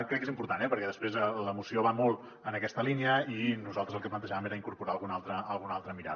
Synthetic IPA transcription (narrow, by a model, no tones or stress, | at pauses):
kɾɛkːezimpuɾt̪anɛpəɾkɛðəspɾezələmusioβamolˠ | ənəkɛst̪əlineəinuzalˠt̪ɾəzəlˠkəplənt̪əʒaβəmeɾəiŋkuɾpuɾaəlˠɣunalˠt̪ɾəːlˠɣunalˠt̪ɾəmiɾa̰